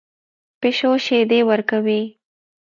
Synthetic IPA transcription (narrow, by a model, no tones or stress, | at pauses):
peʃoʃed̪ewəɾkawi